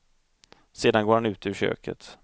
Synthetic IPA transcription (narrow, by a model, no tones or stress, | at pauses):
seːd̪anɡoːɾhanʉ̟ːt̪əʉɕø̰ːkʰə̰t̪